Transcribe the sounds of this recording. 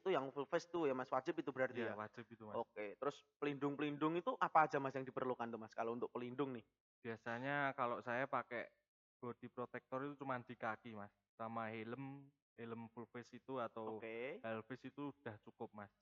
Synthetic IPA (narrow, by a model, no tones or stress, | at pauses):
it̪ujaŋfulfɪst̪ujamaswad͡ʒɪp̚it̪ubəɾart̪ijawad͡ʒəp̚it̪umaoket̪əɾʊspəlindʊŋpəlindʊŋit̪uʔapaːdamasjaŋdipərlukant̪umaskalount̪ʊʔ̚pəlindʊŋnɪh | b̥iasaɲakalosajapakɛʔ | ɡ̥od̪̥i̤pɾot̪ɛk̚t̪ɔrit̪ut͡ʃumand̪̥i̤kakimasːamaɦeləm | heləmfulfɪsit̪uat̪awokehɛlfɪsit̪uud̥a̤ht͡ʃukʊp̚mas